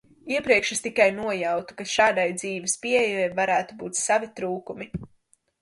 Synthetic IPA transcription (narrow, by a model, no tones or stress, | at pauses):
iɛpɾiɛkʃɪst̪ikajnuɔjawt̪u̥kaʃaːd̪ajd̪ziːvɪspʲiejɛjvaɾæːt̪ubuːt̪savit̪ɾuːkumi